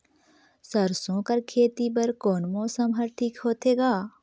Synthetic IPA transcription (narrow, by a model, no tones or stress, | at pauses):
sɐɾsõːkɐɾkʰeːt̪ibɐɾkoːnmɔːsəmɦɐɾʈʰiːkɦoːt̪eːɡaː